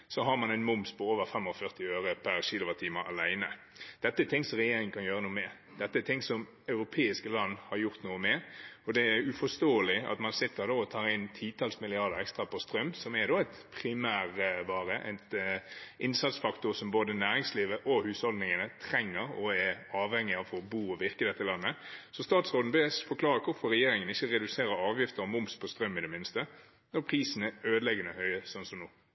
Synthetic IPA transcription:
sɔɦɑʁmɑnæɪnmʊmspʰɔoːʋəɾfɛmɔfœʁt̪ɪøːɾəpʰæʁɕiːlʊʋət̪ʰiːmɑɑlæɪnə | d̪̥ɛt̪ːəɛɾt̪ʰɪŋːsɔʁɛjeːɾɪŋən̩kʰɑnjøːʁənuːəmɛ | d̪̥ɛt̪ːəɛt̪ʰɪŋsɔm | ɑʉɾʊpʰeːɪskəlɑnːhɑɾjʊʁt̪nuːəmɛɔd̪ɛæɾʉfɔst̪oːəlɪɑ̰t̪mɑnsɪt̪ːəɾd̪oːɔt̪ʰɑːʁɪnt̪ʰiːt̪ʰɑːlsmɪlɪɑʁd̪əʁɛkst̪ɾɑpʰɔst̪ɾœmːsɔmɛd̪oːæɪt̪pʰɾɪmæːʁəʋɑːɾəʔæ̰ɪt̪ | ʔɪnsɑt̪sfɑkt̪ʊɾsɔmboːd̪ənæːɾɪŋsliːʋəʔɔhʉːshɔld̪nɪŋənət̪ʰɾɛŋːəɾɔɛɑːʋhɛŋːɪɑːfɔɾɔbuːɔʋɪʁkəd̪ɛt̪ːəlɑnːəsɔst̪ɑːt̪sʁoːd̪n̩besfɔɾkʰlɑːɾəkʰʊfɔɾɾɛjeːɾɪŋənɪçːəɾɛd̪ʉseːɾəɾɑːʋjɪft̪əɾɔmʊmspʰɔst̪ɾœmːɪd̪ɛmɪnst̪ə | nɔɾpʰɾiːsən̩ɛøːd̪əlɛɡənəhœʏəsɔnsɔmnuː

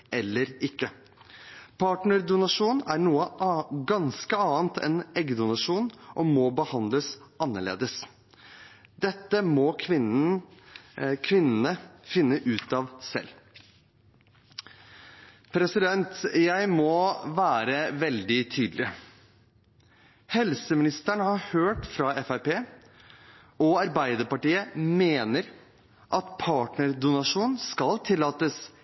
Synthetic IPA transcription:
ʔɛlːəɾɪkːə | pʰɑːʈɳəd̪ʊnɑʂuːnæɾɳuːəɡɑnskəɑːnt̪ʰɛ̰nɛɡd̪ʊnɑʂuːnʔɔmɔbəhɑnd̪ləsʔɑnːəɭḛːd̪əs | d̪ɛt̪ːəmɔkʰʋɪ | kʰʋɪnːənəfɪnːəʔʉːt̪ɑʋsɛ̰lː | pʰɾɛsɪd̪ɛnt̪jæɪmɔʋæːɾəʋɛld̪ɪt̪ʰyːd̪lɪ | hɛlsəmɪnɪst̪æɳəhɑɾhøːʈfɾɑɛfæɪpeː | ɔɑɾbæɪd̪əɾpɑʈiːəmeːnəɾ | ʔɑt̪pʰɑːʈɳəɾɖ̪ʊnɑʂuːnskɑlt̪ʰɪlːɑːt̪əs

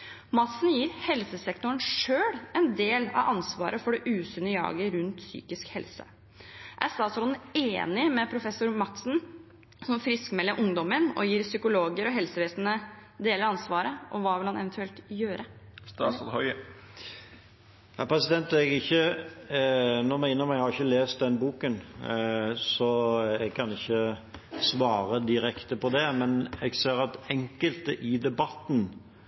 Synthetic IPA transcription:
mɑt̪sn̩jiːɾhɛlsəsɛkt̪ʊəɳʂøːɽɛnd̪eːlɑ̰ʋʔɑnsʋɑ̰ːɾʔəfɔɖɛʔʉːsʏnəjɑ̰ːɡəɾʉnt̪sy̰ːkɪskhɛlsə̰ | ʔæ̰st̪ɑːt̪sɔleːnɪmɛpʰɾʊfɛsʊɾmɑt̪sn̩ | sɔmfɾɪskmɛlːəɾʔʊŋd̪ɔmənɔ̰jiːɾsʏkʊloːɡəɾɔɦɛlsəʋeːsnə | d̪eːləɾɑnsʋɑːɾəʔɔʋɑːʋɪlhɑnɛʋɛnt̪ʉɛlt̪jøːɾʔəst̪ɑːshɔʏ | hæpʰɾɛsɪd̪ɛnt̪ɛɡɪçːə | nɔɾmɛɡɪnːəmɛɡhɑɾɪçːəleːst̪̚d̪ɛnbuːkən | sɔɛɡ̚kʰɑnɪçːəsʋɑːɾəd̪ɪɾɛkt̪əpɔd̪ɛmɛnɛɡseːəɾɑt̪ɛŋkəlt̪əʔɪd̪ɛbɑt̪n

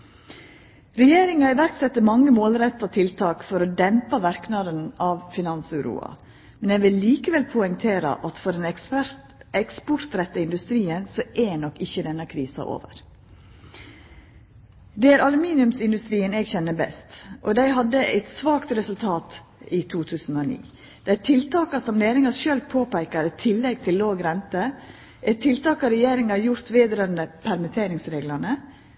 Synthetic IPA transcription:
ɾɛjeːɾɪŋɑɪʋæɾksɛt̪ːəmɑŋːəmoːlɾɛt̪ːɑt̪ʰɪlt̪ʰɑːkfɔɾoːd̪ɛmpɑʋæɾknɑːd̪ənɑːʋfɪnɑnsʉɾṵːɑ̰ | mɛnɛːɡʋɪlːiːkəʋɛlpʰʊɛŋt̪ʰeːɾɑ̰ʔɑt̪fɔɖɛn | ɛkspɔɾt̪ɾɛt̪ːəɪnd̪ʉst̪ɾiːənsoʔɛnɔkːɪçːəd̪ɛnːɑkʰɾiːsɑ̰ʔo̰ːʋə̰ɾ | d̪ɛæːɾʔɑlʉmiːnɪʉmsɪnd̪ʉst̪ɾiːənɛːɡçɛnːəbɛ̰st̪ʔɔd̪æɪɦɑd̪ːəʔæ̰ɪt̪sʋɑːkt̪ɾɛsʉlt̪ʰɑːt̪ | it̪ʰuːt̪ʰʉːsn̩oːnḭː | d̪̥ɛæt̪ʰɪlt̪ʰɑːkɑsɔmleːɾɪŋɑʃøːlpʰoːpæɪkəɾɪt̪ʰɪlːɛɡ̚t̪ʰɪlːoːɡɾɛnt̪ə | ʔɛt̪ʰːɪlt̪ɑːkɑɾɛjeːɾɪŋɑjʊɾt̪ʋeːd̪ɾøːnd̪əpʰæɾmət̪ʰeːɾɪŋsɾeːɡlɑnə

